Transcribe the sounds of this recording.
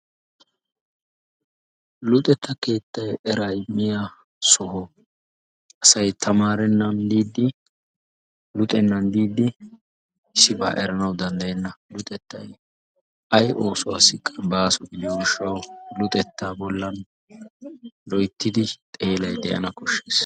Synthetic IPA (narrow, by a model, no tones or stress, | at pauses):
lʊt̪ʼɛt̪ːɐke̞ːt̪ːɐjɛɾajɪmːɪja | sɔhɔ | ɐsɐjt̪ʰɐmaːɾɛnːɐnd̪iːd̪ːɪ | lʊt̪ʼɛnːɐnd̪iːd̪ːɪ | ɪsːɪba̰ːʔɛɾɐnɐwd̪ɐnd̪ɐjɛnːɐlʊt̪ʼɛt̪ːɐj | ɐjʔoːsʊasɪkʼɐbaːsɔɡɪd̪ɪjɔɡɪʃːɐwlʊt̪ʼɛt̪ːaːbɔlːɐn | lɔjt̪ːɪd̪ɪt̪ʼe̞ːlɐjd̪ɛ̰jʔɐ̰nɐkɔʃːeːs